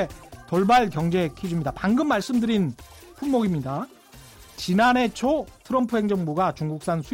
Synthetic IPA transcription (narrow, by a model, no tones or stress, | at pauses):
tʌɭbaɭkjʌŋd͡ʑe̞kʰid͡ʑumɲidapaŋɡɯmːaɭs͈ɯmdɯɾin | pʰunmoɡimɲida | t͡ɕinane̞t͡ɕʰotʰɯɾʌmpʰuɦe̞ŋd͡ʑʌŋbuɡat͡ɕuŋɡuk̚s͈ansʰu